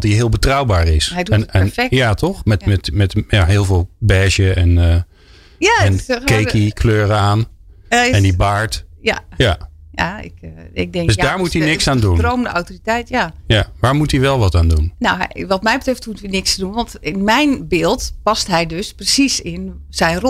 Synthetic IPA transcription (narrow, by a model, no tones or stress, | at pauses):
tiɦɪəlˠbətrawbaːɹɪsɛɛnjatʰɔxmɛtmɛtmɛtjaɦɪːlˠvɪːlˠbɛːʃjəɛnə | jaɛnkejkikʰløːɾəaːn | ɛndibaɹtjaja | jaɪ̰kɪk̚dɛŋdsdaːɹmutinɪksaːndunrowməndəawtoritɛjtjajaʋaːɹmutiʋɛlˠʋɔtaːndunnawʋɔtmɛjbətrɪftmutʋinɪkstdunʋɔntɪnmɛjnbɪːlˠtpastɦɛjdøsprəsisɪnsɛjnro